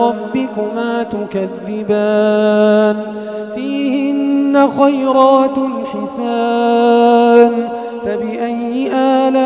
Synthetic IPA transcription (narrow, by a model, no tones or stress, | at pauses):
ɑbːɪkʊmaːt̪ʊkaðːɪbaː | n | fiːhɪnnːaxajɾɑːt̪lħɪsa | n | fabɪʔajːɪʔaːla